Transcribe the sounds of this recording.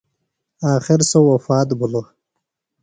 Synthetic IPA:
aːxɪɾsowːɐfɑːt̪bulo

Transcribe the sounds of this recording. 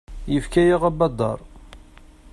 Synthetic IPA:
jəfkæjaʁæbɑd̪ˤːɑ̰ɾˤ

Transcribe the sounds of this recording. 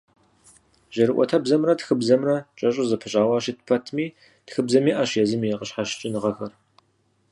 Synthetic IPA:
ʒ̥ɐɾɨʔʷɔ̰tʰɐbzɐmrɐtxɨbzɐmrɐt͡ʃʼɐɕʼʊzɐpʰɨɕʼaːwɑːɕitpʰɐtʰmiː | txɨbzɐmiːʔɐɕjɛzɨmiqəɕħaɕt͡ʃʼɪnɨʁɐxɐr

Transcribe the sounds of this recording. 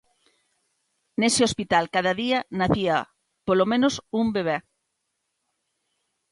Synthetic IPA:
nesɪospit̪alkaðɐðiɐnaθiɐ | polomẽnosumbeβ̞e

